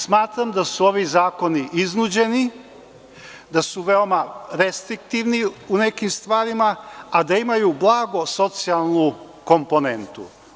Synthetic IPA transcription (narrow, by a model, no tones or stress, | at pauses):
smaːt̪ɾamd̪asuoʋizaːko̞niʔiznud͡ʑe̞ni | d̪asuʋe̞o̞maɾest̪ɾik̚t̪iʋniune̞kimst̪ʋaːɾimaːd̪aimajublˠaːɡo̞so̞t̪sialˠnu | ko̞mpo̞ne̞nt̪ṵ